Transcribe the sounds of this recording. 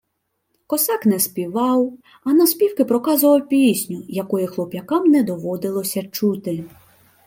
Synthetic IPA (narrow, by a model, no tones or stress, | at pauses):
kɔsɑknɛspʲiʋɑw | ɐnɐspʲiwkɪpɾɔkɑzʊʋɐwpʲisʲnʲʊjɐkɔjɪxlˠɔpʲɐkɑmnɛd̪ɔʋɔd̪ɪlˠɔsʲɐt͡ʃut̪ɪ